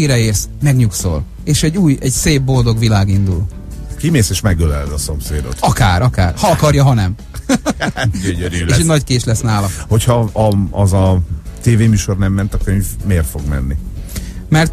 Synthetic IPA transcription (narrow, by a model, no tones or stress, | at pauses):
iɾɛeːrsmɛɡɲukso̞̰l | eːʃɛɟːuːjɛɟseːbːo̞ld̪o̞ɡʋilaːɡind̪ṵl | kimeːseːʃmɛɡølɛ̰lɛd̪ɒso̞mseːd̪o̰t̪ɒkaːɾʔɒkaːrhɒɒkɒrjɒɦɒnɛm | ɟøɲøɾyeːʃɛnɒckeːt͡ʃlɛsnaːlɒho̞chɒɒɒzɒt̪eːveːmyːʃornɛmːɛnt̪ɒkøɲvmeːrt̪fo̞ɡmɛ̰nːi | mɛrt̪